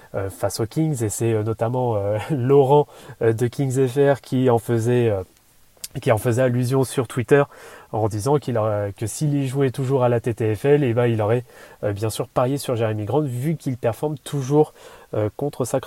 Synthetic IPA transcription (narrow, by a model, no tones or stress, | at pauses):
øfasokʲiŋɡzesɛønɔt̪amɑ̃ølɔʁɑ̃d̪əkʲiŋɡzɛfɛʁkʲiɑ̃fəzɛø | kʲiɑ̃fəzɛalyzjɔ̃syʁt̪ʰwit̪œʁɑ̃d̪izɑ̃kilɔɛkəsilːiʒuɛt̪uʒuʁalat̪et̪eɛfɛlebãilɔʁɛøbjɛ̃syʁpaʁjesyʁʒaʁemiɡʁɑ̃t̪vykʲilpɛʁfɔʁmt̪ʰuʒuʁøkɔ̃t̪χəsak